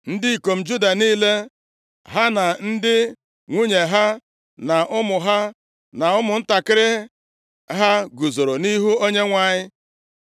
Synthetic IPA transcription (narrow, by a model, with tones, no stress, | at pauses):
n̩˦dɪ˦i˨ko˨m̩˨d͡ʒu˦da˨niː˦le˦ | ɦa˦na˨n̩˦dɪ˦ | ŋʷu˦ɲe˨ɦa˦ | na˨ʔʊ˦mʊ˨ɦa˦ | na˨ʊ˦mʊ˨n̩˦ta˨kɪ˦ɾɪ˦ | ɦa˦ɡu˨zo˨ɾo˨ni˦ɦu˦o˦ɲe˦ŋʷa˨ɲɪ˦